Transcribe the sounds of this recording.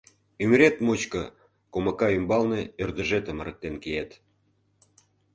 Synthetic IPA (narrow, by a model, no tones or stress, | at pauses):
ymɾet̪mut͡ɕkə̆ | koməkɑymbɑlneørd̪ə̆ʒet̪ə̆mə̆ɾə̆k̚t̪enkejet̪